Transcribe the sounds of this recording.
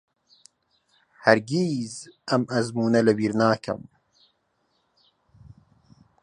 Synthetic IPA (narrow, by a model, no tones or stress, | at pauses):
hɐɾɡiːzɐmɐzmuːnɐlɐwiːɾnaːkʰɐ̰m